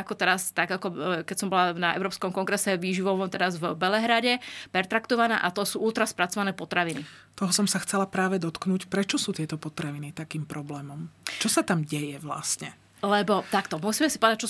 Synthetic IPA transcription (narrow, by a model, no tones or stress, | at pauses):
akɔt̪ɛɾast̪aɡakɔkɛcsɔmbɔlanaɛ̰ʊɾɔːpskɔmkɔŋɡɾɛsɛʋiːʒiʋɔʋɔmt̪ɛɾazvbɛlɛɦɾaɟɛpɛɾt̪ɾakt̪ɔʋanɛ̰ːʔat̪ɔsuːʔuːt̪ɾaspɾat͡sɔʋanɛːpɔt̪ɾaʋini | t̪ɔɦɔsɔmsaxt͡sɛlapɾaːʋɛd̪ɔt̪knuːcpɾɛt͡ʃɔsuːt̪ɪɛt̪ɔpɔt̪ɾaʋinit̪akiːmpɾɔblɛːmɔmt͡ʃɔsat̪amɟɛjɛʋla̰st̪ɲɛ | lɛbɔt̪akt̪ɔmusiːmɛsi̥pɔʋɛd̪ac̚t͡ʃɔ